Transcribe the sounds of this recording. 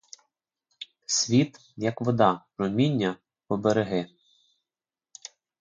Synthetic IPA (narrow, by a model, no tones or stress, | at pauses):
sʲʋʲit̪ | jɐkʋɔd̪ɑ | ɾɔmʲinʲːɐ | pɔbeɾeɦɪ